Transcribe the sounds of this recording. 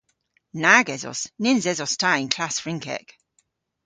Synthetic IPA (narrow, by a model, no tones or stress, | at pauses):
naɡɛzɔ̰snɪnzɛzɔstʰajnkʰl̥asfɹɪ̃ŋkʰɛ̰k